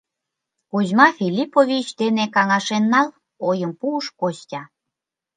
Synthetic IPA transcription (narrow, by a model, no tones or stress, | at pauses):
kozmɑfʲilʲipovʲit͡ɕd̪enekɑŋɑʃenːɑl | ojəmpuːʃkoɕtʲɑ